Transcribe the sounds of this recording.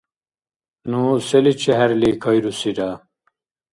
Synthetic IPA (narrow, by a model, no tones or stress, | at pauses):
nuselit͡ɕʰeɦæɾlikʰɐjɾusiɾaː